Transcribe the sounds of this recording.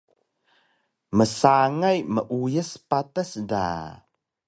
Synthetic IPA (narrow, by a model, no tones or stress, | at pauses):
məsaŋajməʔujəspatəsda̰